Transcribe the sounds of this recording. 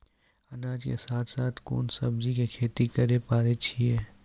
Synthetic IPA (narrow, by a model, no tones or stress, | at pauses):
ɐnaːd͡ʒkḛsaːt̪ʰsaːt̪ʰko̰ːnsɐbzikekʰeːt̪ikɐɾepaːɾet͡ʃʰiɛː